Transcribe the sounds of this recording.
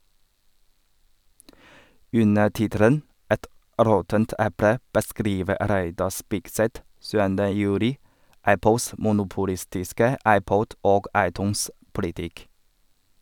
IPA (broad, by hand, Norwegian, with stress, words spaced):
ˈʉnə ˈʈɪtəɾən ˈɛt ˈɾɔtənt ˈʔɛpɽə bəˈskɾiːʋə ˈɾæɪdɑ ˈspɪɡsɛt ˈsʉːəndə ˈjʉːɾɪ ˈæpl̩s mʊnʊpʊˈlɪstɪskə ˈɑɪˌpɔd ˈoːɡ ˈɑɪˌtʉːns ˈpʊlɪtɪk